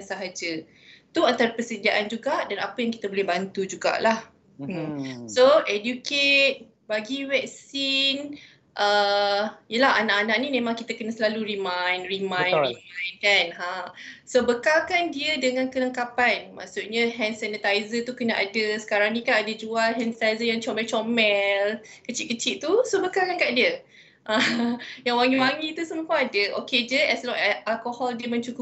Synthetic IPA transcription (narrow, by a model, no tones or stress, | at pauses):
ansaɦad͡ʒə | t̪uant̪aɾapəsədiaʔand͡ʒuɡaʔdanapəjãŋkit̪abolɛhbant̪ud͡ʒuɡa̰ʔlah | soʔɛdjuket̪̚ | baɡiwɛk̚sin | ʔə | ijəlaɦanaʔanaʔ̚nimẽmãŋkit̪əkənasəlaluɾimajnrimãj̃imãjnkanɦasobəkalkandiədəŋãnkələŋkapanmã̰ʔsuʔ̪̚ɲəɦɛnsɛnət̪ajzət̪ukənaʔa̰dəsə̥kaɾaŋnĩkanadəd͡ʒualɦɛnət̪ajzəjaŋt͡ʃɔmɛlt͡ʃɔmɛl | kət͡ʃitʔ̚kət͡ʃiʔt̪usobəkalkankaʔdiə | ʔajaŋwaŋiwaŋit̪usəməkɔ̃adəʔo̰ked͡ʒəʔɛslɔʔalkohɔldiəmə̃ɲt͡ʃukʊ